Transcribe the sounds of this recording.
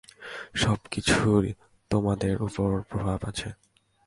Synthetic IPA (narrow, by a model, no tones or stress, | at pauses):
ʃɔbkit͡ɕʰuɾi | t̪omad̪eɾupoɾpɾobʱabat͡ɕʰe